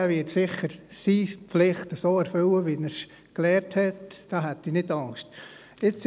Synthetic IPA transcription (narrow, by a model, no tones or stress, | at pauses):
æʋɪtsɪχːəɾsiːpflɪχtəsoːɛɾfʏwəʋinɛs | klɛːɾthɛtd̥ɑːɦætːinɪdɑŋʃt | ɪt͡s